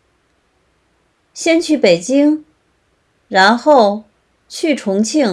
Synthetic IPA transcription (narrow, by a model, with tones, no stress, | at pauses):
ɕjɛ˥nt͡ɕʰy˧˥pe˨˩ɪt͡ɕi˥ŋ | ɻa˧˥nxo˥˩ʊ | t͡ɕʰy˥˩ʈ͡ʂʰʊ˧˥ŋt͡ɕʰi˥˩